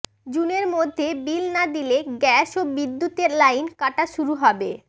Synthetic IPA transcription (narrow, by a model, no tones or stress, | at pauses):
d͡ʑuneɾmod̪ʱːebilnad̪ileɡɛʃobid̪ːut̪eɾlajnkaʈaʃuɾuɦɔbe